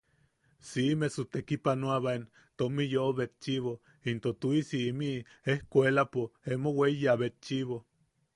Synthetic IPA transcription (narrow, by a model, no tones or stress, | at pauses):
simesut̪ekipanoaβaen | t̪omijoβet̪̚t͡ʃiβo | int̪ot̪uisiːmiehkʷelapoemowejaβet̪̚t͡ʃiβo